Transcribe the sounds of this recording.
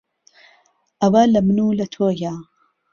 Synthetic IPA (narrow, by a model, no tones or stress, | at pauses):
ʔɐwalɐmɨnuːlɐt̪ʰoːja